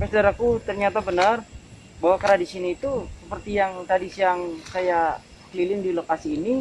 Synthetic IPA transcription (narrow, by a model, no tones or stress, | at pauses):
masədaɾakut̪ərɲat̪abənər | bawakəɾadisiniːt̪usəpərt̪ijaŋt̪ɾadisijaŋsaja | kəlilɪndilokasiːni